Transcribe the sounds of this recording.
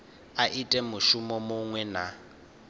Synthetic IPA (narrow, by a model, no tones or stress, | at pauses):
aʔitʼɛmʊʃʊmɔmʊŋwɛna